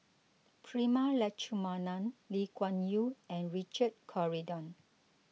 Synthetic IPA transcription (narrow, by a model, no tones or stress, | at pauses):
pʰɹimalɛt͡ʃumanãnlikwãnjuɛ̃nɹit͡ʃəd̚kʰɔɹidɔ̃n